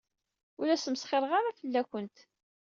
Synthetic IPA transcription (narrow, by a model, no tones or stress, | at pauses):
ʊɾæsəmsχeɾˤʁaɾafəlːækʷənt̪